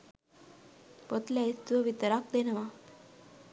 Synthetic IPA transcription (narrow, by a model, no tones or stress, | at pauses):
pot̪laist̪ʋəʋit̪əɾak̚d̪enəʋa